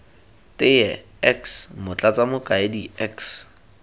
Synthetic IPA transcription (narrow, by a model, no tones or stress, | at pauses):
tʼɪjɛ | ɛksmʊt͡ɬʼat͡sʼamʊkʼaediɛks